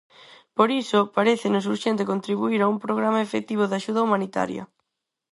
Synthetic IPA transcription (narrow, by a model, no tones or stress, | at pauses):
poɾisʊpaɾeθɪnʊsuɾʃent̪ɪkont̪ɾiβuiɾaumpɾoɣ̞ɾamɐefek̚t̪iβ̞oðaʃuð̞ɐumanit̪a̰ɾjɐ̰